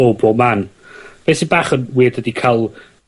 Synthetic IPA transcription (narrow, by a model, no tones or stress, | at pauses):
obɔman | b̥ɛsɪbaːχənwiːdədikʰalˠ